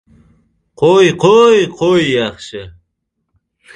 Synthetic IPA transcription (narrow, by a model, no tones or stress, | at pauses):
qʰojqʰojqʰojːɑχʃə